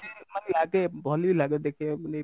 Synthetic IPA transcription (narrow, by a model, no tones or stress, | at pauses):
emɐnlaːɡebʱɔːlibʱilaːɡed̪eːkʰiene